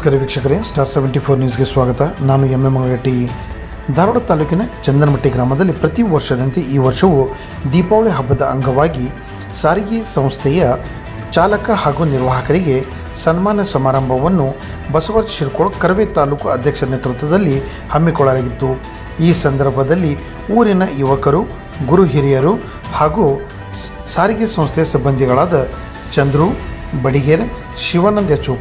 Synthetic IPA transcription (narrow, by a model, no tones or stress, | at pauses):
ɐskɐɾeʋikʂɐkɐɾesʈaːɾseʋeɳʈipʰoːɾnius̬ɡesʋaːɡɐt̪ɐnaːnuemːemɐɡɐɭɐʈːi | d̪ʱaːɾuɽɐt̪aːluːkinɐt͡ʃɐnd̪ɐnɐmɐʈːiɡɾaːmɐd̪ɐlːipɾɐt̪iʋɐɾʂɐd̪ɐnt̪eiːʋɐɾʂɐʋu | d̪iːpaːʋɭeɦɐbʱːɐd̪ɐʔɐ̰ŋɡʱɐʋaːɡi | saːɾiɡisɐ̃w̃st̪ʰɛjɐ | t͡ʃaːlɐkɐhaːɡuːniɾʋaːɦɐkɐɾiɡe̞ | sɐnmaːnjɐsɐmaːɾɐmbʱɐʋɐnːu | bɐsɐʋɐɾʃiɾukɔɭɐkɐɾʋeːt̪aːluːkuɐd̪ʱjɐkʂɐɾnet̪ɾut̪ːɐd̪ɐlːi | hɐmːikɔɭːɐlaːɡit̪ːu | iːsɐnd̪ɐɾbʱɐd̪ɐlːi | uːɾinɐjuʋɐkɐɾu | ɡuɾuɦiɾijɐɾu | haːɡu | saːɾiɡisɐ̃w̃st̪ʰɛjɐsibːɐnd̪ʱiɡɐɭaːd̪ɐ | t͡ʃɐnd̪ɾubɐɽiɡeɾ | ʃiʋaːnɐnd̪jɐt͡ʃuk